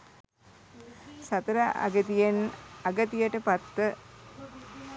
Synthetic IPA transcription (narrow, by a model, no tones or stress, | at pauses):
sat̪ɐɾaʔɐ̰ɡət̪ijenɐɡət̪ijəʈəpat̪ːə